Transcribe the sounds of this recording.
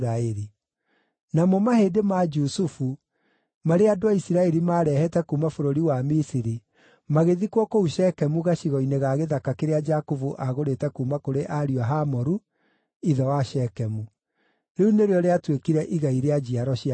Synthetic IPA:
ɾaɛɾi | namɔmahedemad͡ʒusufu | maɾeadoaisiɾaɛɾimaːɾɛhɛtɛkumafoɾoɾiwamisiɾi | maɣeðikwɔkouʃɛkɛmuɣaʃiɣɔineɣaɣeðakakeɾead͡ʒakovuʔaɣoɾetɛkumakoɾeʔaɾiwaɦamɔɾu | iðɔwaʃɛkɛmu | ɾeuneɾeɔɾeatwekiɾɛʔiɣaiɾead͡ʒiaɾɔʃia

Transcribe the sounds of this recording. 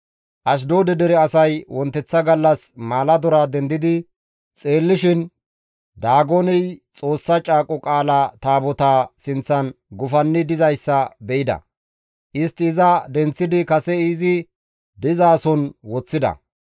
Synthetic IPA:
ʔɐʃ̬d̪oːd̪ɛd̪ɛɾɛɐsɐjwɔnt̪ːɛt͡sːɐɡɐlːɐsmaːlɐd̪ɔɾaːd̪ɛnd̪ɪd̪ɪ | t͡sʼe̞ːlːɪʃɪn | d̪aːɡonɪjt͡sʼo̞ːsːɐt͡ʃʼaːkʼɔkʼaːlat̪aːbɔt̪aːsɪnt͡sːɐnɡʊfɐnːɪd̪ɪzɐjsːɐbɛʔɪd̪ɐ̰ | ʔɪst̪ːɪːzɐd̪ɛnt͡sːɪd̪ɪkɐsɛiːzɪ | d̪ɪzaːsɔnwɔt͡sːɪd̪ɐ̰

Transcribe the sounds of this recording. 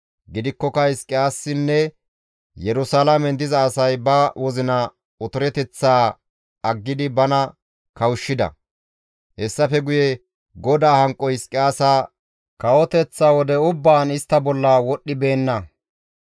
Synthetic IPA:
ɡɪd̪ɪkːɔkɐhɪskʼːɪjaːsːɪnːɛ | jɛɾʊsalamɛnd̪ɪzɐːsɐjbɐwɔzɪnɐ | ʊt̪ʊɾɛt̪ɛt͡sːaː | ɐɡːɪd̪ɪbɐnɐ | kɐwʊʃːɪd̪ɐ̰ | hɛsːɐfɛɡʊjɛ | ɡɔd̪aːhɐŋkʼːɔɪskʼːɪaːsaː | kɐwɔt̪ɛt͡sːaːwɔd̪ɛʊbːaːnɪst̪ːɐbɔlːɐwɔɗːɪbe̞ːnːɐ

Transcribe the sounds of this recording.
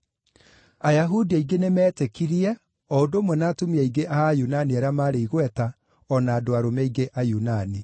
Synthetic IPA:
ajaɦudiaiɡenemɛːtekiɾiɛ | ɔodoːmwɛnaːtumiɛiɡeʔaajunaniaɾjamaːɾeiɣwɛta | ɔnaːdoaɾomɛiɡeʔajunani

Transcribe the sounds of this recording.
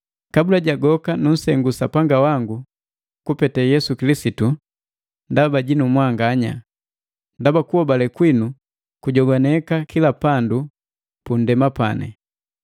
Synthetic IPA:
kabulaɟaɡɔkanun̩sɛŋɡusapaŋɡawaŋɡu | kupɛtɛjɛsukilisitu | ndabaɟinumwaŋɡaɲa̰ | ndabakuhɔbalɛkwinu | kuɟɔɡanɛkakilapandu | pun̩dɛmapa̰nɛ̰

